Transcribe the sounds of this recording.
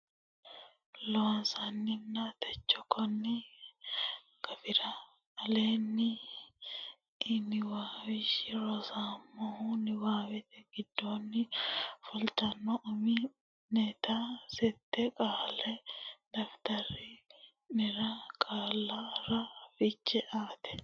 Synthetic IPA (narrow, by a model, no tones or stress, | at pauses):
lɔwɐnsɐnːɪnːat̪ʰɛt͡ʃːɔkːɔnːɪ | kɐfɪɾɐː | leːnːɪ | ɪnɪwaːwɪʃɪɾɔsaːmːɔhunɪwaːwɛt̪ɛɡɪd̪ːoːnːɪfɔlt̪ɐnːɔʔʊmɪ | net̪ɐsɛt̪ːɛkʼaːlɛd̪ɐft̪ɐɾɪ | nɪɾɐkʼaːlːɐɾɐfɪt͡ʃːɛʔaːt̪ɛ̥